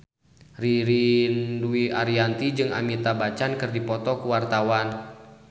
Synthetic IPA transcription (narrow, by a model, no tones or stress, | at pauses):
riɾinduiaɾiant̪id͡ʒɨŋa̰mit̪abat͡ʃankɨrdipɔt̪ɔkuwart̪awan